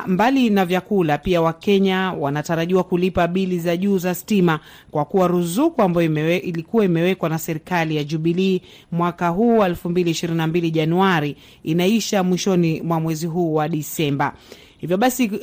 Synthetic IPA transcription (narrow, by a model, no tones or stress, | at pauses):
mbalinavjakulapiawakɛɲawanataɾaʄiwakulipaɓilizaʄuːzastima | kwakuwaɾuzukuambajilikuwaimɛwɛkwanasɛɾikalijaʄuɓiliː | mwakaɦuːwaɛlfumbiliːʃiɾininambiliʄanuaɾi | inaiʃamwiʃɔnimwamwɛziɦuːwaɗisɛmba | hivjɔɓasi